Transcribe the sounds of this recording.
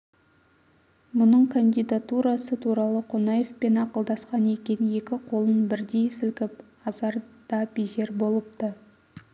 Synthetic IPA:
mʊnəɴkʰand̪ijd̪at̪uɾɑsət̪ʰuɾɑlˠəqʰonɑje̞fpe̞nɑqəlˠd̪ɑsqɑne̞kʲe̞nje̞kʲɪqʰo̞lˠənbɪɾd̪e̞jsɪlkʲɪp | ɑzɑɾd̪̥ɑpize̞ɾbo̞lˠəp̚t̪ə

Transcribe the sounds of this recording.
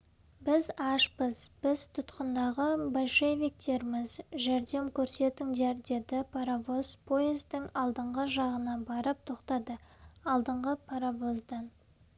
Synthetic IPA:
bɪzɑʃpəz̥b̥ɪz̥t̪ʰʊt̪qənd̪ɑʁəbolʃevʲik̚t̪e̞ɾmɪzʒæɾd̪e̞mkʲʰɵɾse̞t̪ɪŋd̪eɾd̪e̞d̪ɪpʰaɾavo̞spʰo̞ezd̪ɪŋɑlˠd̪əɴʁəʒɑʁənɑbɑɾəp̚t̪ʰo̞qt̪ɑd̪əɑlˠd̪əɴʁəpʰaɾavo̞zd̪ɑn

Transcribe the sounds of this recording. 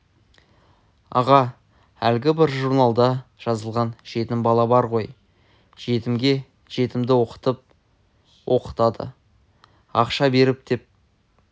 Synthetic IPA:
ɑ̰ʁɑ | ælɡʲɪbɪɾʒuɾnɑlˠd̪ɑʒ̥ɑzəlˠʁɑnʒ̥e̞t̪ɪmbɑlˠɑbɑɾʁo̞j | ʒ̥e̞t̪ɪmɡʲe̞ | ʒ̥e̞t̪ɪmd̪ɪwo̞qə̥t̪əp̚ | wʔo̞̰qə̥t̪ɑd̪ə̰ | ɑqʃɑbe̞ɾɪp̚d̪̥e̞p̚

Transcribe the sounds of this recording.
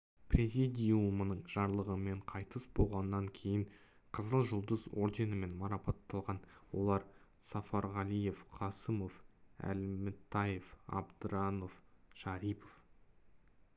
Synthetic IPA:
prʲezʲid̪ʲijumənəɴʒɑɾlˠəʁəme̞ɴqʰɑjt̪əsbo̞lˠʁɑnənːɑŋkʲʰe̞jɪɴ | qʰəzəlˠʒʊlˠd̪əzo̞ɾd̪e̞nəme̞nmɑɾɑpɑt̪ːɑlˠʁɑnwo̞̰lˠɑɾ | sɑfɑɾʁɑlije̞fqʰɑsəmo̞fæ̰lmɪt̪ʰːɑjefɑ̰bd̪əɾɑno̞fʃɑɾipof

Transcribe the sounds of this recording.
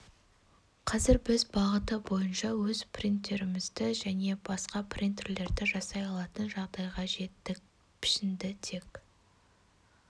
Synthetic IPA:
qʰɑzɪɾbɪzbɑʁət̪əbo̞jənʃɑwɵzprint̪ːe̞ɾɪmɪzd̪ɪʒæne̞bɑsqɑpʰrint̪erle̞ɾd̪ɪʒɑsɑjɑlˠɑt̪ənʒɑʁd̪ɑjʁɑʒe̞t̪ːɪk | pʰɪ̥ʃɪnd̪ɪt̪ʰe̞k

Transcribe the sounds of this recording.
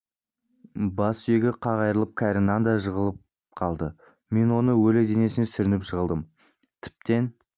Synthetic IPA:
bɑsʏje̞ɡʲɪqʰɑʁɑjɾəlˠəp̚kʲʰæɾɪnːɑnd̪ɑʒəʁəlˠəp̚ | qʰɑlˠd̪ə | me̞nwo̞nəwɵled̪e̞ne̞sɪnesʏɾɪnɪpʒəʁəlˠd̪əm | t̪ʰɪ̥p̚t̪e̞n

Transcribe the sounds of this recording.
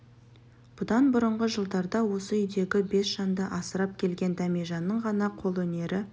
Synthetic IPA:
b̥ʊd̪ɑnbʊɾəɴʁəʒəlˠd̪ɑɾd̪ɑwo̞səʏjd̪e̞ɡʲɪbe̞sʒ̥ɑnd̪əʔɑsəɾɑp̚kʲʰe̞lɡʲe̞nd̪ɑmeʒɑnːəɴʁɑnɑqʰo̞lˠwɵne̞ɾʔɪ

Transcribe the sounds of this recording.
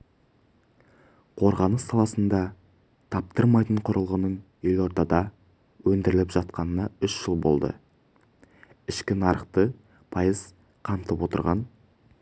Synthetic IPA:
qʰo̞ɾʁɑnəsːɑlˠɑsənd̪ɑ | t̪ʰɑp̚t̪əɾmɑjt̪əɴqʰʊɾəlˠʁənən | elo̞ɾt̪ɑd̪ɑ | wɵnd̪ɪɾɪlɪpʒɑt̪qɑnənɑʏʃʒ̥əlˠbo̞̰lˠd̪ə̰ | ɪʃkʲɪnɑɾəqt̪ə | pʰɑjəz̥ | qʰɑnt̪əpwo̞t̪ə̰ɾʁɑn

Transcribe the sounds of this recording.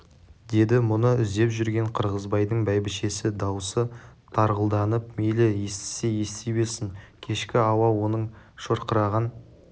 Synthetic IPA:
d̪e̞d̪ɪmʊnəʏzd̪e̞pʒʏɾɡʲe̞ɴqʰəɾʁəzbɑjd̪əɴbæjbɪʃe̞sɪd̪ɑwsət̪ʰɑɾʁəlˠd̪ɑnəpmelɪje̞st̪ɪ̥se̞je̞st̪ebe̞sɪŋkʲʰe̞ʃkʲɪɑwɑwo̞nəɴ | ʃoɾqəɾɑʁən

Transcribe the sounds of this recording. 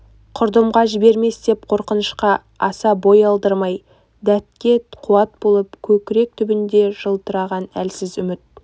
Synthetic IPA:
qʰʊɾd̪əmʁɑʒɪbe̞ɾme̞sd̪e̞p̚qʰo̞ɾqənəʃqɑ | ɑsɑbo̞jɑlˠd̪əɾmɑj | d̪æt̪̚kʲe̞t̪qʰuɑt̪̚bo̞lˠəpkʲʰɵkʲɪɾe̞k̚t̪ʰʏbɪnd̪e̞ʒ̥əlˠt̪əɾɑʁɑnæ̰lsɪzʏmɪt̪̚

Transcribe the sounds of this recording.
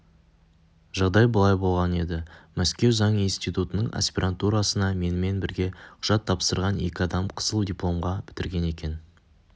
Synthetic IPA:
ʒɑʁd̪ɑjbəlˠɑjbo̞lˠʁɑne̞d̪ɪmæskʲe̞wzɑɴinst̪ijt̪ut̪ənəɴʔa̰spʲiɾʔant̪uɾasənɑme̞nɪme̞nbɪɾɡʲe̞qʰʊ̥ʒ̥ɑt̪ʰːɑpsəɾʁɑne̞̰kʲɪɑd̪ɑmqʰə̥zəlˠd̪ʲijplˠo̞mʁɑb̥ɪ̥t̪ɪɾɡʲe̞ne̞kʲe̞n

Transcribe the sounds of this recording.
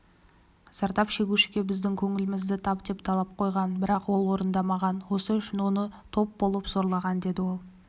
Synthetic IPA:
z̥ɑɾt̪ɑpʃe̞ɡʲuʃɪ̥ɡʲe̞bɪzd̪ɪŋkʲʰɵŋɪlɪmɪzd̪ɪt̪ʰɑp̚d̪e̞pt̪ʰɑlˠɑp̚qʰo̞jʁɑnbɪɾɑqwo̞lˠwo̞ɾənd̪ɑmɑʁɑnwo̞səʏʃɪnwonət̪ʰo̞p̚bo̞lˠəpzo̞ɾlˠɑʁɑnd̪e̞d̪ɪwo̞lˠ

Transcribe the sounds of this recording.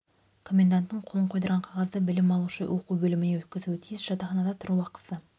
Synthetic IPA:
kʰo̞mʲe̞nd̪ant̪ːəɴqʰolˠəɴqʰojd̪ɑɾʁɑɴqʰɑʁɑzd̪əbɪlɪmɑlˠuʃə̰wʔo̞quwbɵlɪmɪne̞wɵt̪̚kʲɪzut̪ʰijɪsʒ̥ɑt̪ɑχɑnɑd̪ɑt̪ʰʊɾuɑqə̥sə

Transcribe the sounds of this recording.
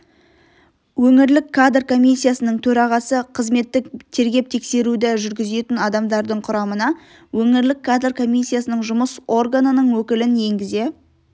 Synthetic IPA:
wɵŋɪɾlɪkʰːad̪rkʰo̞mʲijsːijasənəɴt̪ʰɵɾɑʁɑsəqʰəzme̞t̪ːɪk̚t̪ʰe̞ɾɡʲe̞p̚t̪ʰe̞kse̞ɾud̪ɪʒʏɾɡʲɪze̞t̪ɪnɑd̪ɑmd̪ɑɾd̪əɴqʰʊɾɑmənɑ | wɵŋɪɾlɪkʰːad̪rkʰo̞mʲijsːijasənəɴʒʊməso̞rɡanənəɴwɵkʲɪlɪnje̞ŋɡʲɪze̞

